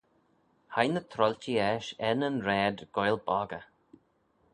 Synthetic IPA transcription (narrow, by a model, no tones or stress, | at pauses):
hajnət̪ʰɾɔltiɛʃɛnənɾɛːd̪ɡ̥ɔjlbɔːɡə